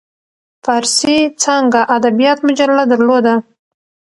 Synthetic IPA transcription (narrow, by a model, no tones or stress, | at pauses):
fɑɾsit͡səŋɡaʔad̪abijɑt̪mʊd͡ʒallad̪aɾlod̪a